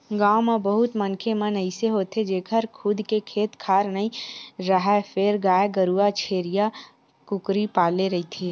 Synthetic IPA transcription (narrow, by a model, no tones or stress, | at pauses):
ɡaːwmebəɦʊt̪mənkʰemənəɪseɦoːt̪ʰed͡ʒeːkʰəɾkʰʊd̪ʱkekʰeːt̪kʰaːɾnəĩɾəɦɛpʰeːɾɡaːeɡəɾuat͡ʃʰeːɾija | kʊkɾipaːleɾɐɦit̪ʰeː